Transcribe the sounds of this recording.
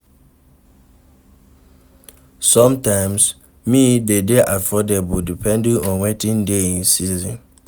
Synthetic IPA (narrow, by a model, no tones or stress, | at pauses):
sɔ̃mtãɪ̃ms | midedeʔafɔdebudipʰɛ̃ndĩŋɔ̃nwetĩndeĩnsizĩn